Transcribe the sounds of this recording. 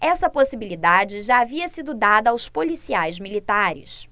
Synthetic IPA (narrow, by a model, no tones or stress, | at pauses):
ɛsɐposibilid̪ad͡ʒɪʒaːviɐsid̪ʊd̪ad̪ɐːwspolisiajzmilit̪aɾɪ̰s